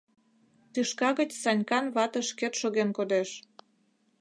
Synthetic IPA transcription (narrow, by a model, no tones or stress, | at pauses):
t̪yʃkɑɣət͡ɕsɑnʲkɑnβɑt̪ə̆ʃket̪ʃoɣenkod̪eʃ